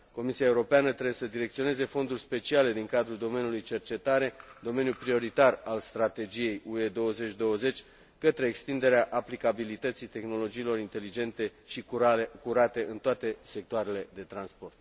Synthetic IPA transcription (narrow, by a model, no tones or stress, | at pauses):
ko̞misiaeuɾo̞peanət̪ɾebesəd̪iɾe̞k̚t̪sio̞ne̞ze̞fo̞nd̪urʲspe̞t͡ʃiale̞d̪iŋkad̪ɾuld̪o̞me̞njulujt͡ʃe̞rt͡ʃe̞t̪aɾe̞d̪o̞me̞njulpɾio̞ɾit̪aralst̪ɾat̪e̞d͡ʒije̞jue̞d̪o̞wəze̞t͡ʃʲd̪o̞wəze̞t͡ʃʲ | kət̪ɾeːkst̪ind̪e̞ɾeaʔaplikabilit̪ət̪sit̪e̞xno̞lo̞d͡ʒiːlo̞ɾint̪e̞lid͡ʒe̞nt̪e̞ʃikuɾat̪e̞ʔɨnt̪oat̪e̞se̞k̚t̪oaɾe̞le̞d̪e̞t̪ɾanspo̞rt̪̚